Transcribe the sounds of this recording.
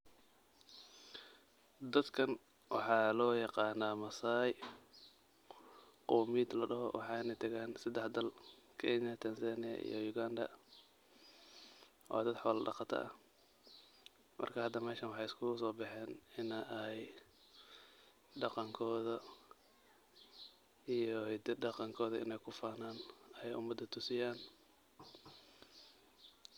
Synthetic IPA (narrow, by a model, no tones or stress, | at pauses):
d̪ɐd̪kʰɐn | wʔɑ̰ħɑːlɔːjɑqɑːnːaːmɐsaːj | qɔːmiːd̪lɐɖɐɦɔ̰wɑ̰ħɑɪnɛjt̪ʰɐɣaːnsɐd̪ɛħd̪ɐlkʰɛnɐt̪ʰɐnsanɪjɐ̰ʔḭjɔjʊɡand̪ɐ̰ | ʔɔ̰ːd̪ɐd̪ħɔːlɖɑ̰qɑt̪ʰɐ̰ʔɐ̰ | mʔɐ̰rkʰɐhɐd̪ːɐmɛːʃɐnwɑħɑjɪskʰʊsɔːbɪħɛːnɪnɛj | ɖɑqɑŋkʰɔːðɐ | ijɔhɛd̪ɐɖɑqɑŋkʰɔːðɐɪ̰nɛjkʰʊfaːnaːnɐɛjʔʊmɐd̪ːɐt̪ʰʊsɪjaːn